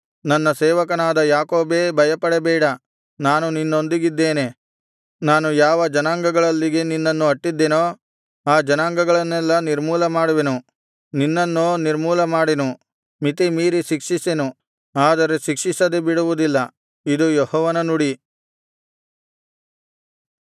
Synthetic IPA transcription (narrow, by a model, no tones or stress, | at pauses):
nɐnːɐsɛːʋɐkɐnaːd̪ɐjaːkoːbe̞ːbʱɐjɐpɐɽɛbɛːɽɐ | naːnuninːo̞nd̪iɡid̪ːe̞ːne̞ | naːnujaːʋɐd͡ʒɐnaːŋɡɐɡɐɭɐlːiɡeninːɐnːuɐʈːid̪ːenoː | aːd͡ʒɐnaːŋɡɐɡɐɭɐnːɛlːɐniɾmuːlɐmaːɽuʋenu | ninːɐnːoniɾmuːlɐmaːɽenu | mit̪̬imiːɾiʃikʂisenu | aːd̪ɐɾe̞ʃikʂisɐd̪ebiɽuʋud̪ilːɐ | id̪ujɔhɔːʋɐnɐnuɽi